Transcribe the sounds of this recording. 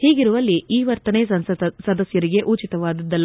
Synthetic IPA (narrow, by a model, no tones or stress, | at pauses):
hiːɡiɾuʋɐlːiiːʋɐɾt̪ɐnesɐd̪ɐsjɐɾiɡe̞ʔut͡ʃit̪ɐʋaːd̪ɐd̪ːɐlː